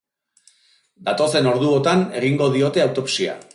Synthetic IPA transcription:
d̪at̪o̞se̞no̞ɾðuot̪ane̞ɣiŋɡo̞ð̞io̞t̪e̞awt̪o̞psia̰

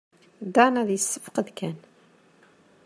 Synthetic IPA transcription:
d̪ɑnæðjəsːə̥fqəðkʰæn

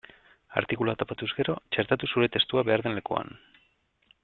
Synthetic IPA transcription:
a̰ɾt̪ikuluat̪o̞pat̪uzɣe̞ɾo̞t͡ʃe̞ɾt̪at̪usuɾe̞t̪e̞st̪uaβe̞aɾðe̞nle̞kua̰n

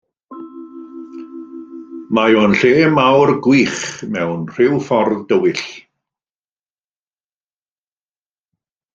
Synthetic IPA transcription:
majoːnɬeːmawrɡwiːχmɛwnr̥ɪwfɔrðd̥əwɪɬ

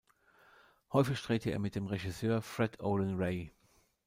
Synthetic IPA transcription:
hɔʏfɪçʃtʁ̥eːtəḛːɐmɪt̚d̥eːmʁeʒisøːɐfʁ̥ɛdʰoʊlənʁeɪ

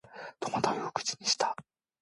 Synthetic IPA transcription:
t̪omat̪ajokɯ̟̥t͡ɕi̥ɲ̟iɕi̥t̪ḁ

